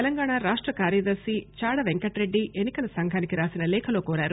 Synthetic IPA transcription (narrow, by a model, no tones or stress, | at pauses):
elɐŋɡaːɳaːɾaːʂʈɾɐkaːɾjɐd̪ɐɾsit͡ʃaːɽɐʋeŋkɐʈɾe̞ɖːiʔenːikɐlɐsɐŋɡʱaːnikiɾaːsinɐlɛːkʰɐlo̞ːkoːɾaːɾu